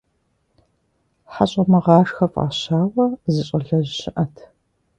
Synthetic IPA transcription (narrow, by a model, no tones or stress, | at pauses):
ħaɕʼɐmɐʁɑːʂxɐfʼa̰ːɕaːwɐzɨɕʼɐɮɐʑɕɪʔɐtʰ